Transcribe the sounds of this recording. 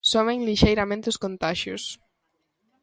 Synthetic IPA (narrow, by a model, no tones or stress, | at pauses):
someŋliʃejɾamẽnt̪uskont̪aʃjṵs